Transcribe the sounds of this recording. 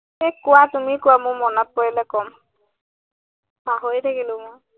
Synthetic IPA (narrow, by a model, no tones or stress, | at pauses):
ɛkʊwatumikʊwamʊmɔnɔt̚poɹilɛkɔm | aɦojtʰakilʊ̃mʊ